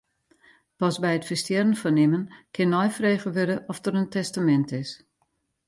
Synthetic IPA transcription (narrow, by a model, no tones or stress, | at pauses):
pɑsbɛjətfəstjɛrənfɔnɪmənkʰɪnːɔjfreːɣəʋødəʔɔfdəɾəntɛstamɛntɪs